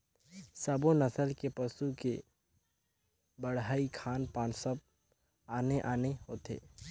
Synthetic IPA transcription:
saːbonəsəlkepəsuke | bəɽɦaːikʰaːnpaːnsəb̚ | aːneʔaːneɦoːt̪ʰḛː

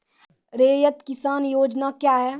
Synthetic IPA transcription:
ɾeːjət̪kɪsaːnjoːd͡ʒnakjaːɦɛː

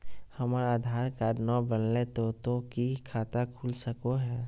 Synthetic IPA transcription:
həməɾaːd̪ʱaːɾkaːɾnɔbənlet̪ot̪okikʰaːt̪akʰulsəkoɦɛː

